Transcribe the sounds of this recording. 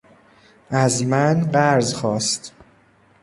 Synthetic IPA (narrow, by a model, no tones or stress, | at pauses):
ʔæzmænɢæɾzxɒːst̪